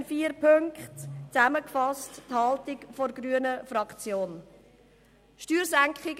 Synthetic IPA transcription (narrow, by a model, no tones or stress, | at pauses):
nfiːəɾpʰøŋkχtt͡sæməkfɑstthɑltɪkfɔɾɡɾyənəfrɑkχt͡sjoːn | ʃtyːɾsæŋkχɪɡ